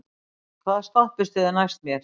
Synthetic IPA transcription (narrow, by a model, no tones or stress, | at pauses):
kʰvaðst̪ahpɪst̪eðɪnajst̪mjɛɾ̥